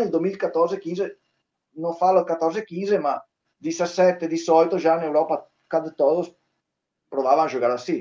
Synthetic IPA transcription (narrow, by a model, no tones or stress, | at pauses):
eld̪uemilkat̪ːɔɾzek̟inze | nofalːokat̪ːɔɾzekinzema | d̪isasːɛt̪ːed̪isɔjt̪oʒanewɾɔːpa | kad̪t̪ɔːd̪os | pɾovaːvaŋaʒoɡaːɾasi